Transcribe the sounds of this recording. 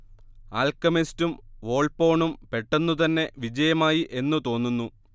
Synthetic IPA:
aːlkɐmistumʋo̞ːɭpo̞ːɳumpe̞ʈːenːut̪ɐnːe̞ʋid͡ʑɐjɐmaːjiʔe̞nːut̪o̞ːnːunːu

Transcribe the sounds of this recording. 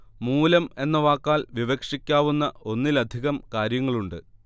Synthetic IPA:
muːlɐme̞nːɐʋaːkːaːlʋiʋɐkʂikʲːaːʋunːɐo̞nːilɐd̪ʱiɣɐmkaːɾjɐŋːɐɭuɳɖɨ

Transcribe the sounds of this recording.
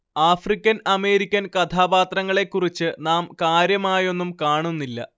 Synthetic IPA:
aːfrikʲːɐnɐme̞ːɾikʲːɐnkɐt̪ʰaːbaːt̪rɐŋːɐɭe̞kːurit͡ɕːɨnaːmkaːɾjɐmaːjo̞nːumkaːɳunːilːɐ̰

